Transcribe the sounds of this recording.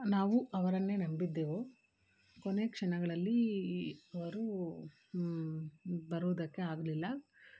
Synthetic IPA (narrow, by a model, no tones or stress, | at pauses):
naːʋuɐʋɐɾɐnːe̞ːnɐmbid̪ːeːʋo | kone̞kʂɐɳɐɡɐɭɐlːi | ɐʋɐɾu | bɐɾuːd̪ɐkːeaːɡɐlilːɐ